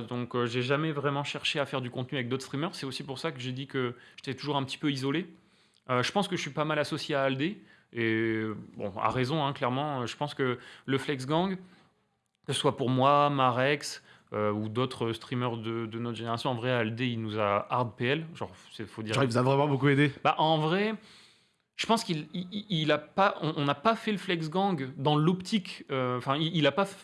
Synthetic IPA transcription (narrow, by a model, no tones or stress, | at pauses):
d̪ɔ̃køʒeʒamɛvʁɛmɑ̃ʃɛʁʃeafɛʁd̪ykɔ̃t̪̚nyavɛk̚d̪ot̪χst̪χimœʁsɛt̪osipuʁsakəʒed̪ikəʒ̥e̥t̪ɛt̪uʒuʁɛ̃pət̪i̥pøizɔle | øʒəpɑ̃skəʒəsɥipamalasɔsjeaːld̪e | ebɔ̰̃a̰ʁezɔ̃ɛ̃klɛʁmɑ̃øʒəpɑ̃skələflɛks̬ɡɑ̃ɡ | kəsə̥swapuʁmwamaʁɛks | øud̪ot̪χəst̪χimœʁd̪əd̪ənɔt̪χʒeneʁasjɔ̃ɑ̃vʁɛald̪eilnuzaaʁd̪̚peɛlʒɑ̰̃ʁsɛfod̪iʁʒɑʁivuzavʁɛmɑ̃bokued̪ebaʔɑ̃vʁɛ | ʒ̥əpɑ̃skiliilapaʔɔ̃ʔːnapafɛləflɛks̬ɡɑ̃ɡd̪ɑ̃lɔpt̪ʰikøɑ̃fɛ̃iilapa